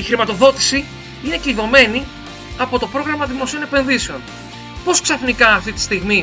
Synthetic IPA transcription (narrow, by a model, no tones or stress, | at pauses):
ixɾimɐt̪o̞ðo̞t̪i̥si | ineceiðo̞me̞ni | ɐpo̞t̪o̞pɾo̞ɣɾɐmɐðimo̞sio̞ne̞pe̞nðise̞o̞n | po̞sksɐθnikɐːft̪it̪i̥st̪iɣmi